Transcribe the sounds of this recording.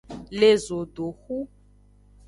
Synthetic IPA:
le˦zo˨do˨xu˦

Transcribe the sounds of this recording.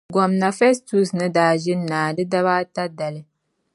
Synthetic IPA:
ɡɔ˨mna˨fɛ˦stu˦snɨ˦daː˨˦ʒɪ˦n˦nːaː˨dɨ˦da˦βa˦ta˦da˨lɨ˦

